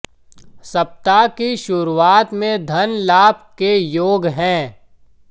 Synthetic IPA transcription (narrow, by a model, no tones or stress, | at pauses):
sɐp̚t̪akiʃʊɾuaːt̪mẽd̪ʱɐnlaːpkejoːɡɦɛ̃ː